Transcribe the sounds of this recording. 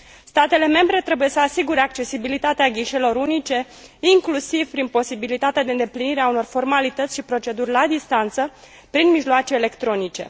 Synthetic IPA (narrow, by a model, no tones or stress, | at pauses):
st̪at̪e̞le̞me̞mbɾe̞t̪ɾe̞buje̞səasiɡuɾe̞ak̚t͡ʃe̞sibilit̪at̪eaɡʲiʃelo̞ɾunit͡ʃe̞ | iŋklusiv̥pɾinpo̞sibilit̪at̪ead̪e̞ɨnd̪epliniɾeauno̞rfo̞rmalit̪ət̪sʲʃipɾo̞t͡ʃe̞d̪urʲlad̪ist̪ant̪sə | pɾinmiʒloat͡ʃe̞ːle̞kt̪ɾo̞nit͡ʃe̞̰